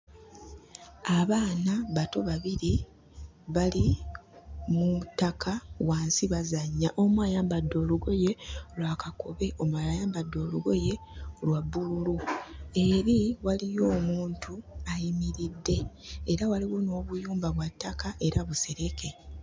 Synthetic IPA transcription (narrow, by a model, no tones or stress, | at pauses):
aβaːnaβato̞βaβiɾi | βali | mutːakʰawaːnsiβazaɲːaʔomwajaːmbadːo̞ːluɡo̞je̞lwaːkako̞βe̞ʔo̞mualajaːmbadːo̞ːluɡo̞je̞lwabːululue̞ɾiwalijo̞ːmuːntʰuajimiɾidːe̞ːɾawaliɣuno̞ːβujuːmbaβwatːakaʔe̞ɾaβuse̞ɾe̞ke̞